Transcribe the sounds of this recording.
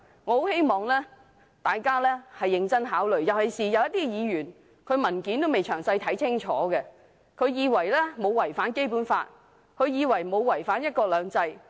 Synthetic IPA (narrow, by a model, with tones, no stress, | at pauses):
ŋɔ˨˧ho˨˥whe˥jmɔː˨˩ŋlɛː˥ | t̪aː˨jkaː˥lɛː˥hɐ˨jːɪ˧ŋt͡sɐ˥nɦaː˨˥wlɵ˨ɥjɐ˨whɐ˨jsiː˨jɐ˨˧wjɐ˥t̪iː˥˧jiː˨˧ɥyː˨˩n | kʰɵ˨˧ɥmɐ˨˩nkiː˨˥nt̪o˥wme˨˩jt͡ʃʰœː˨˩ŋsɐ˧jt̪ʰɐ˨˥jt͡sʰɪ˥ŋt͡ʃʰɔː˨˥ɡɛ˧ | kʰɵ˨˧ɥjiː˨˧wɐ˨˩jlɛː˥mo˨˧wwɐ˨˩jfaː˨˥nke˥jpuː˨˥nfa̰ː˧t̚ | kʰɵ˨˧ɥjiː˨˧wɐ˨˩jmo˨˧wwɐ˨˩jfaː˨˥njɐ˥t̚kɔː˧lœː˨˧ŋt͡sɐ˧j